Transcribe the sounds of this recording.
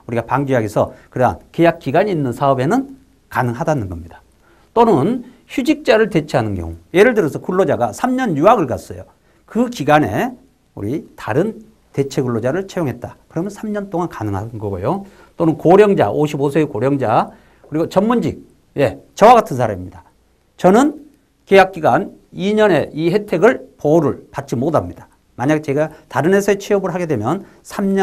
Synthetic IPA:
uɾiɡapaŋd͡ʑiɦaɡesʰʌkɯɾea̰nke̞jak͈iɡaɲiːnːɯnsʰaʌbe̞nɯn | kanɯŋɦadanɯnɡʌmɲid̥ḁ | t͈onɯn | çud͡ʑik̚t͡ɕ͈aɾɯɭte̞t͡ɕʰe̞ɦanɯnkjʌ̰ŋuje̞ɾɯɭdɯɾʌsʰʌkuɭːod͡ʑaɡasʰamɲʌnjuaɡɯɭkas͈ʌ̰jo̰ | kɯkiɡane̞̰ | uɾitaɾɯn | te̞t͡ɕʰe̞ɡuɭːod͡ʑaɾɯɭt͡ɕʰejoŋɦe̞t̚t͈akɯɾʌmjʌnsʰamɲʌnt͈oŋankanɯŋɦa̰nɡʌɡo̰jo | t͈onɯnkoɾjʌŋd͡ʑa̰ʔoɕʰibosʰeekoɾjʌŋd͡ʑa | kɯɾiɡot͡ɕʌnmːund͡ʑḭk̚ | je̞t͡ɕʌwaɡatʰɯnsʰaɾamimɲida | t͡ɕʌnɯn | kejak̚k͈iɡan | iɲʌne̞ʔiɦe̞tʰe̞ɡɯɭpoɾɯɭpat̚t͡ɕ͈imodamɲid̥ḁ | maɲaɡ̚t͡ɕe̞ɡataɾɯne̞sʰʌet͡ɕʰiʌbɯɭɦaɡe̞dwe̞mjʌn | sʰamɲʌ

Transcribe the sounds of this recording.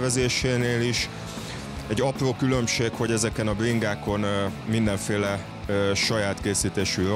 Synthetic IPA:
vɛzeːʃeːneːliʃ | ɛɟːɒproːkylø̞mʃeːkho̞ɟɛzɛkɛnɒbriŋɡaːko̞nmind̪ɛɱfeːlɛ | ʃɒjaːt̪keːsiːt̪eːʃyr

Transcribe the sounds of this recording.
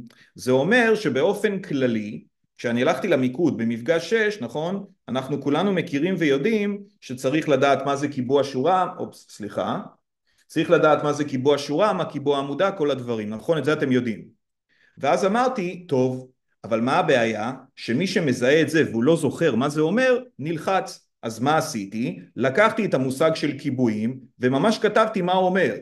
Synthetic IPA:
ze̞o̞me̞ʁʃe̞be̞o̞fe̞nklali | kʃeanialaχt̪ilamikut̪̚bemifɡaʃe̞ʃnaχo̞n | anaχnukulanume̞kiʁimvejo̞dimʃe̞t͡saʁiχladaːt̪maze̞kibuaʃuʁao̰ | sliχa̰ | t͡saʁiχladaːt̪mazekibuaʃuʁamakibuaːmudako̞lad̪vaʁimnaχo̞netzeate̞mjo̞dim | veazamaʁt̪ito̞v | avalmaabe̞ajaʃe̞miʃe̞me̞zaeːtze̞veulo̞zo̞χe̞ʁmazeo̞me̞ʁnilχat͡s | ʔazmaːsitilakaχt̪ietamusaɡʃe̞lkibuimve̞mamaʃkatavtimauome̞ʁ

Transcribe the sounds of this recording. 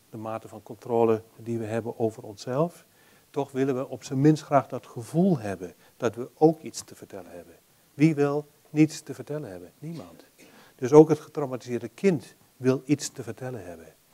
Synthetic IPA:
d̥əmaːtəfɔnkɔntroːlˠədiʋəɦɛbənʔoːvərɔnsɛlˠf | tɔxʋɪlˠənʋəʔɔpsəmɪnstxraːxdɔtxəvulˠɦɛbən | d̥ɔtʋəoːkʰitstəvərtʰɛləhɛbən | ʋiʋɪlˠ | nitstəvərtɛlˠənhɛbənnimɔnt | d̥øsoːkɦətxətrowmatizɪːrdəkʰɪnt | ʋɪlˠitstəvərtʰɛlˠəhɛbən

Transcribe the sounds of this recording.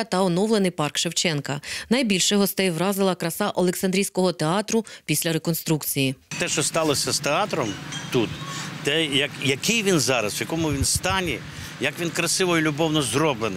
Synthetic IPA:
t̪ɐɔnɔwlˠenɪjpɑrkʃewt͡ʃɛnkɐnɐjbʲilʲʃɛɦɔst̪ɛjʋɾɑzɪlˠɐkɾɐsɑʔɔlˠeksɐnd̪ʲɾijsʲkɔɦɔt̪eɑt̪ɾʊpʲisʲlʲɐɾekɔnst̪ɾukt͡sʲijit̪ɛʃt͡ʃɔst̪ɑlˠɔsʲɐst̪eɑt̪ɾɔmt̪ut̪t̪ɛjɐkjɐkɪjʋʲinzɑɾɐswjɐkɔmʊʋʲinst̪ɑnʲɛ | jɐkʋʲinkɾɐsɪʋɔjʊlʲʊbɔwnɔzrɔblˠenɪ

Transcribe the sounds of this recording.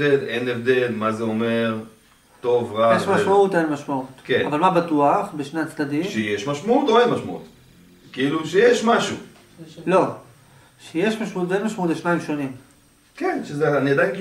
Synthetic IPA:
elenevd̪elmazeome̞ʁ | t̪o̞vʁajeʃmaʃmaut̪aenmaʃmaut̪kea̰valmabatuaχbeʃneat͡slad̪imʃejeʃmaʃmaut̪oenmaʃmaṵt̪ | kiiluʃejeʃmaʃu | lo̞ | ʃejeʃmaʃmaut̪enmaʃmaut̪jeʃnaimʃo̞nim | kenʃezeanijad̪ajɡ

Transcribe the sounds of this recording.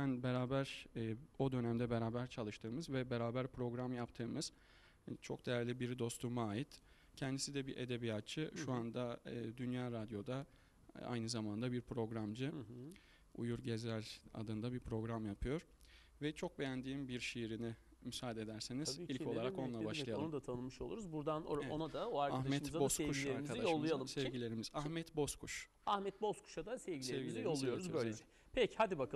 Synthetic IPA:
bænbeɾaːbæɾ̥ː | o̞d̪ø̞næmd̪ɛbe̞ɾaːbæɾt͡ʃʰalˠɯʃt̪ʰɯːmɯzvɛbeɾaːbæɾpɾo̞ɡɾamjapt̪ʰɯːmɯz̥ | t͡ʃʰok̚d̪e̞jæɾlʲibiɾd̪o̞st̪ʰumaːjit̪ | cʰɛnd̪isid̪ɛbiʔed̪e̞bijat̪̚t͡ʃʰɯʃuand̪aːd̪ynjaːɾad̪jo̞d̪a | a̰jnɯzamand̪abiɾpʰɾo̞ɡɾamd͡ʒɯ | ṵjuɾɟezæɾʲa̰d̪ɯnd̪abiɾpʰɾo̞ɡɾamjapʰɯjo̞ɾ̥ | vɛt͡ʃʰo̞k̚bejænd̪iːmbiɾʃijiɾini | mysaːd̪ed̪æɾsenizilʲʰo̞lˠaɾako̞nlˠabaʃlˠajalˠnud̪at̪ʰanɯmɯʃo̞lˠuɾuzbuɾd̪anoonad̪aoaɾkahamɛtɯmzabosekvuʃileɾaɾimizad̪iajolˠːujjalˠɯmsɛvɟilʲe̞ɾimizahmɛt̪bo̞skʰuʃ | ahmɛt̪̚bo̞skʰu̥ʃad̪asɛvɟislʲeɛvɡizijolˠːujo̞ɾuzbølʲeɛ | pʰɛchad̪ibakʰ

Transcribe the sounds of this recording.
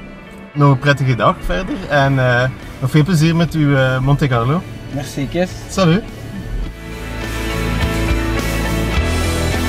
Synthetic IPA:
nɔxəprɛtəɣədɑxfɛrdərɛnəː | nɔxfeːlˠpləziːrmɛtyəmɔntekɑrloː | mɛrsikəs | sɑly

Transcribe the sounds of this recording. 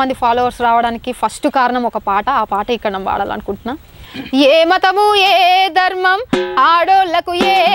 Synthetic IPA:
ɐnd̪ipʰaːlɔːʋɐɾsɾaːʋɐɽaːnikipʰɐsʈukaːɾɐɳɐmɔkɐpaːʈɐaːpaːʈɐikːɐɽɐnɐmʋa̰ːɽɐ̰lɐ̰nukuɳʈunːaː | jeːmɐt̪ɐmueːd̪ʱɐɾmɐmaːɽoːlɐkujeː

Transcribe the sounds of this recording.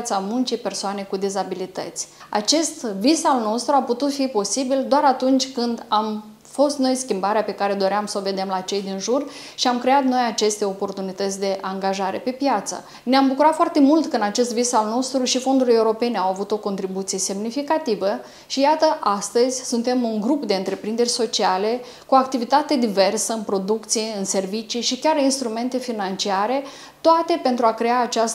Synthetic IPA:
t̪samunt͡ʃejpe̞rsoane̞kud̪ezabilit̪ə̰t̪sʲa̰t͡ʃe̞st̪visalno̞st̪ɾuaput̪ut̪fipo̞sibild̪oaɾat̪unt͡ʃʲkɨnd̪am | fo̞st̪no̞jskʲimbaɾeape̞kaɾe̞d̪o̞ɾeamsəo̞ve̞d̪e̞mlat͡ʃe̞jd̪inʒur | ʃiamkɾe̞at̪no̞jat͡ʃe̞st̪e̞o̞po̞rt̪unit̪ət̪sʲd̪e̞ʔaŋɡaʒaɾe̞̰pe̞pjat̪sə̰ | neambukuɾat̪foart̪e̞mult̪kəɨnat͡ʃe̞st̪visalno̞st̪ɾuʃifo̞nd̪ule̞uɾo̞pe̞neawavut̪o̞ko̞nt̪ɾibut̪sije̞se̞mnifikat̪ivə | ʃijat̪əʔast̪əzʲsunt̪e̞muŋɡɾupd̪e̞ɨnt̪ɾe̞pɾind̪e̞rʲso̞t͡ʃiale̞ | kuak̚t̪ivit̪at̪e̞d̪ive̞rsəɨnpɾo̞d̪ukt̪sijeɨnse̞rvit͡ʃiʃikʲaɾinst̪ɾume̞nt̪e̞finant͡ʃiaɾe̞ | t̪oat̪e̞pe̞nt̪ɾuakɾe̞aːt͡ʃas

